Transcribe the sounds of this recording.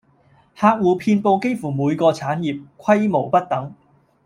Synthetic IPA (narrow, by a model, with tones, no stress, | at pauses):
haː˧k̚wuː˨˧pʰiː˧npo˧wke˥jfuː˨˩muː˨˧jkɔː˧t͡sʰaː˨˥njiː˨p̚kʷʰɐ˥jmo˨˩wpɐ˥t̚t̪ɐ˨˥ŋ